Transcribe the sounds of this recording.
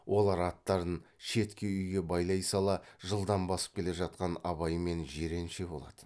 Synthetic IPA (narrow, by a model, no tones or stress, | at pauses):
wʔo̞lˠɑɾɑt̪ːɑɾd̪ənʃe̞t̪kʲe̞ʏjɡʲe̞bɑjlˠɑjsɑlˠɑʒəlˠd̪ɑmbɑsə̥p̚kʲʰe̞le̞ʒɑt̪̚qɑnɑ̰βɑjəme̞nʒe̞ɾe̞nʃe̞bo̞lˠɑ̰d̪̥ə